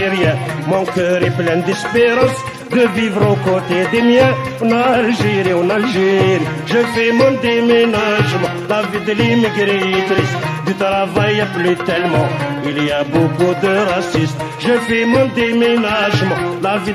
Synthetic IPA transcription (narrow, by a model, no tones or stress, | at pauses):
ʁjɛ̃mɔ̃kœʁɛplɛ̃nd̪ɛspeʁɑ̃s | d̪əvivʁokot̪ed̪emjɛ̃ | ɑ̃nalʒeʁiɑ̃nalʒeʁi | ʒəfɛmɔ̃d̪emenaʒmɑ̃lavid̪əlimiɡɾit̪ʁisd̪yt̪ʁavajaplyt̪ɛlmɑ̃ | iliabokud̪əʁasist̪ | ʒəfɛmɔ̃d̪emenaʒmɑ̃lavi